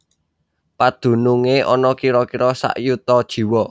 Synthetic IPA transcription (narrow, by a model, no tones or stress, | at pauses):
pad̪̥ṳnuŋeʔɔnɔkiɾɔkiɾɔsa̰ʔjut̪ɔd̥ʒ̥i̤wɔ